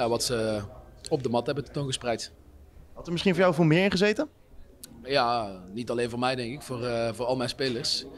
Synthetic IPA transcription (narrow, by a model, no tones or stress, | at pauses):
aʋɑtsə | ɔb̚dəmɑtɦɛbənttonɣəsprɛjt | ɦɑtəɹmɪsχinvɔːjawvɪːlˠmɪːɹɪ̃nχəzejtən | jaːnitɑlejnvʊːɹmɛjdɛŋkɪkfʊːrvʊːɹɑlˠmɛjnspejləɹs